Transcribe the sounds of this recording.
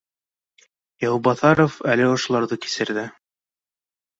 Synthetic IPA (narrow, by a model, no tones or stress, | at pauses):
jɑwbɑθɑɾofælɘŏʃŏlˠɑɾðɤki̥sɘ̆ɾðɘ